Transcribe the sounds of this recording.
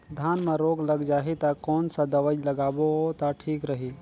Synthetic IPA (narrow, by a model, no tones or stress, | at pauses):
d̪ʱaːnmẽɾoːɡlɐɡd͡ʒaːɦit̪akɔːnsad̪ɐʋəd͡ʒlɐɡaːboot̪aʈʰiːkɾəɦi